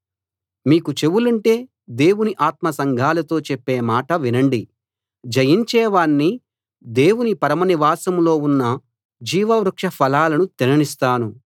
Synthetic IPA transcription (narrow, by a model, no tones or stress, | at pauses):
miːkut͡ʃe̞wulɐɳʈe̞ː | d̪e̞ːwuniʔaːt̪̚mɐsɐŋɡʱaːlɐt̪o̞ːt͡ʃepːeːmaːʈɐʋinɐɳɖi | d͡ʒɐjiɲt͡ʃɛːʋaːɳːi | d̪e̞ːwunipɐɾɐmɐniʋaːsɐmlo̞ːunːɐ | d͡ʒiːʋɐʋɾɐkʂɐpʰɐlaːlɐnut̪inɐnist̪aːnu